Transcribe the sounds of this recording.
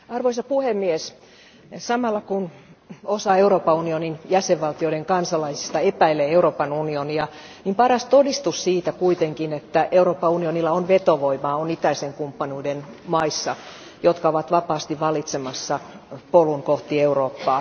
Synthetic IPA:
ɑrʋoisɑpuhemːies | sɑmɑlːɑkun | osɑeuroːpːɑunioninjæseʋʋɑlt̪ioiɾeŋkɑnsɑlɑisi̥st̪ɑepæilːeeuroːpɑnunioniɑ | nimpɑrɑst̪odist̪ussiːt̪ækuit̪eŋkinet̪ːæʔeuroːpːɑunionilːɑonʋet̪oʋoimɑːonit̪æiseŋkumpːɑnuiden | mɑisːɑ | jot̪kɑoʋɑt̪ʋɑpɑːst̪iʋʋɑlit̪semɑsːɑpoluŋkoht̪ieuroːpːɑː

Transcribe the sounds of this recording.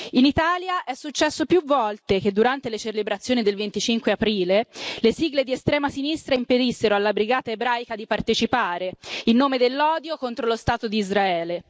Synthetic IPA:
init̪aːljaʔɛsːut͡ʃːɛsːopjuvɔlt̪ek̟ed̪ːuɾant̪elet͡ʃelebɾat̪sːjoːnid̪elvent̪it͡ʃiŋkweapɾiːlelesiɡled̪iest̪ɾɛːmasinist̪ɾaimped̪isːeɾoalːabɾiɡaːt̪aebɾaːjkad̪ipart̪et͡ʃipaːɾeilnoːmed̪elːɔːd̪jokont̪ɾolost̪aːt̪od̪iːzɾaɛːle

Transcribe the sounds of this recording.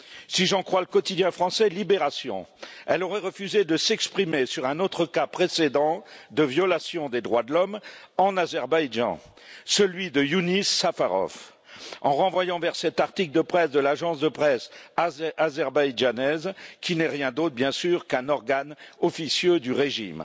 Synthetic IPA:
siʒɑ̃kχwaləkɔt̪id̪jɛ̃fχɑ̃sɛlibeʁasjɔ̰̃ɛlɔʁɛʁəfyzed̪əsɛkspχimesyʁɛ̃not̪χəkapχesed̪ɑ̃d̪əvjɔlasjɔ̃d̪ed̪ʁwad̪əlɔmɑ̃nazɛʁbajʒɑ̰̃ | səlɥid̪əjunisːafaʁɔ̰f | ɑ̰̃ʁɑ̃vwajɑ̃vɛʁsɛt̪aʁt̪ikld̪əpχɛsd̪əlaʒɑ̃sd̪əpχɛsaazɛʁbajʒanɛzkʲinɛʁjɛ̃d̪ot̪χbjɛ̃syʁkɛ̃nɔʁɡanɔfisjød̪yʁeʒḭm

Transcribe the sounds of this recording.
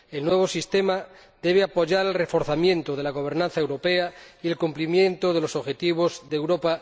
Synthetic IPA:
elnwe̞β̞o̞sist̪ema | d̪e̞β̞eapoʝaɾelrefo̞ɾθamjẽ̞nt̪oð̞e̞laɣ̞o̞β̞e̞ɾnãnθaewɾopeaielkumplimjẽ̞nt̪oð̞e̞lo̞soβxe̞t̪iβ̞o̞zðewɾopa

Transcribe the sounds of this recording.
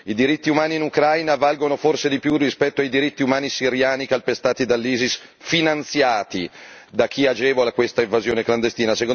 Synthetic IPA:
id̪iɾit̪ːiumaːniːnukɾajnavalɡonoforsed̪ipjurːispɛt̪ːoajd̪iɾit̪ːiumaːnisiɾjaːnikalpest̪aːt̪id̪alːiːzis | finant̪sjaːt̪id̪ak̟ːiad͡ʒɛːvolakwest̪aivazjoːnekland̪est̪iːnaseko

